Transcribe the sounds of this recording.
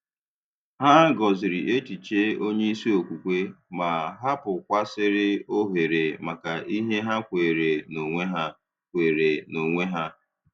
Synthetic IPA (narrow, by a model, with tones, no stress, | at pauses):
ha˦ɡɔ˨zɪ˨ɾi˨ʔe˦ti˨t͡ʃe˦o˦ɲe˦i˦si˦o˨kʷu˨kʷe˦ma˨ɦa˦pʊ˨kʷa˦sɪ˦ɾɪ˦o˦ɦe˨ɾe˨ma˨ka˨ʔi˦ɦe˦ɦa˦kʷe˨ɾe˨no˨ŋʷe˦ɦa˦ | kʷe˨ɾe˨no˨ŋʷe˦ɦa˦